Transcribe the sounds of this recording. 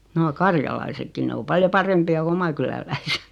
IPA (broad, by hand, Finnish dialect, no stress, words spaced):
noː kɑrjɑlɑisekːi ne o pɑljo pɑrempiɑ ku omɑ kylælæise̥t